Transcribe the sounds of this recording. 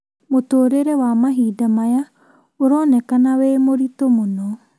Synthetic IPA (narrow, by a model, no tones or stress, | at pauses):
motoːɾeɾɛwamaɦiːdamaja | oɾɔnɛkanawemoɾitomonɔ